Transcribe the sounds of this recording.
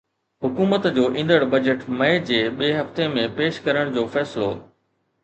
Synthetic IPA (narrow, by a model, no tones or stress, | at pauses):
ɦʊkuːmət̪d͡ʑoːʔĩnd̪əɽbɐd͡ʑəʈmɐɪd͡ʑeːɓiɦɐft̪emẽpeːʃkɐɾəɽ̃d͡ʑoːfɛːsɪlo̰